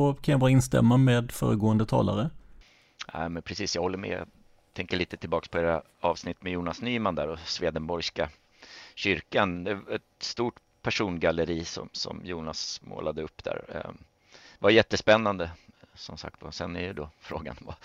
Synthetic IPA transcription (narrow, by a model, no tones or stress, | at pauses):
kʰanjabɑːɾaɪnst̪ɛ̰mːameːd̪fœ̰ːɾəɡoːənd̪ət̪ʰɑ̰ːla̰ɾə | næ̰ɪmɛnpʰɾɛsiːsjɑːhɔlːəɾmɛ̰j̰ | t̪ʰɛŋkəɭiːt̪ət̪ʰɪlbɑːkspʰɔeːɾa | ɑːvsnɪt̪ːmɛjuːnasnyːmand̪æːɾɔsveːd̪ənbɔɾska | ɕʏɾkand̪ɛaɛt̪st̪uːʈ | pʰæʂuːnɡalːəɾiːsɔ̰msɔ̰mjuːnasmo̰ːlad̪əɵpːd̪æ̰ːɾ̰ | vajɛt̪ːəspɛnːand̪əsɔmsa̰k̚t̪vasɛnɛjɵd̪ofɾoːɡa̰nva̰